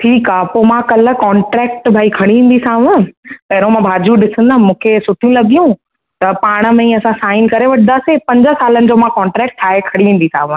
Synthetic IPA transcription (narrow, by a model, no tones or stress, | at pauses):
ʈʰiːkaːpomãkɐlə̆kɔːɳʈɾɛːk̚ʈbʱaːikʰɐɽ̃iʋĩːn̆d̪isaːʋə̃pɐɦɪɾõmãbʱaːd͡ʑuɗɪsə̃nd̪aːmũːkʰesʊʈʰijũlɐɠijũ | t̪ɐpaːɽ̃ə̆mẽiɐsãsaːɪn̆kɐɾeʋɐʈʰnd̪aːsepɐ̃ɲd͡ʑə̆saːlənɪ̆d͡ʑoːmãkɔːɳʈɾɛːk̚ʈ̪̚ʰaːɦekʰɐɽiĩːn̆d̪isa̰ːʋə̃